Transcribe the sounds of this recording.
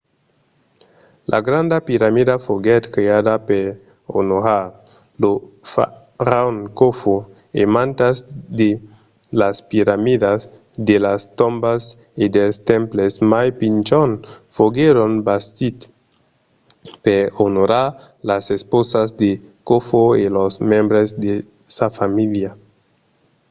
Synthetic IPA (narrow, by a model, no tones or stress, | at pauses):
lʔa̰ɡɾand̪apiɾamidafoɡet̪kɾeadapeɾ | o̰noɾa | lofa | ɾaonkofo | emãnt̪azd̪e | laspiɾamidas | d̪elast̪ombas | id̪elst̪ẽmplesmajpint͡ʃonfoɡeɾonbast̪it̪ | peonoɾa | lasesposazd̪ekofoelosmẽmbɾezd̪e | safamilja